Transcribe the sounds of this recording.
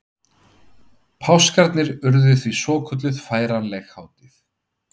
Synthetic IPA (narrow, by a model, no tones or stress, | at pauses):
pʰawskaɾt̪nɪɾʏɾðʏθvisɔːkʰʏt̪lʏðfaːjɾanlɛxhaːwt̪ɪθ